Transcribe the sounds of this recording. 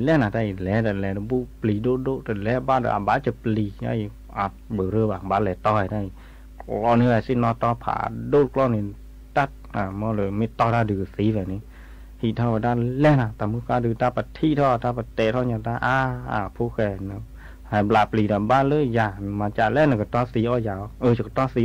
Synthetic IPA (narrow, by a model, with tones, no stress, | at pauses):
lɛ˧˦na˨ta˧˨jlɛ˨˦da˨lɛ˨˦dɔ˧˨bu˧˨pli˨do˧˨do˧˨ta˨lɛ˨˧˦baː˧˨dɔ̰˧ʔa̰˨ba˧˦t͡ɕa˧˨pli˨˦a̰˧˨j | ʔa˨˩ | bə˨ɾə˧˨ba˨ŋba˨˧˦lɛ˨˧t̪ɔ˧˨da˧˨j | klɔ˧˨ni˧˦˧ɛ˧˨si˧˨nɔ˧t̪ɔ˧˦pʰa̰ː˧˨do˧˦˨tklɔ˧˨ni˨˧˨ | da˧˩t̚a˨mɔ˧˦lə˧˨me˧˦t̪ɔ˧˨da˧˨dɯ˨si˨˦vɛ˨ni˧˦ | hi˧˨t̪ʰa˧˨wa˨daː˧lɛ˧˨na˧t̪a˨mɨ˧˨kaː˧dɯ˧˨t̪a˧pa˨t̪ʰi˧˨t̪ʰɔ˧˨t̪ʰa˧pa˨t̪ɛ˧˨t̪ʰɔ˧˨ɲa˧˨daː˧ʔaː˧a̰˨˩pʰu˧˦kɛ˧˩nɔ˧˦ | ha˨˩blaː˨˩pliː˨da˨baː˧˥˨lə˧˥˨jaː˨˩˨maː˨˧t͡ɕa˧˨lɛ˧˦˨na˨kɔ˨t̪ɔ˧˦si˨˦ʔɔ˧jaː˨˦wʔə˧˨t͡ɕa˨t̪ɔ˧si˨˦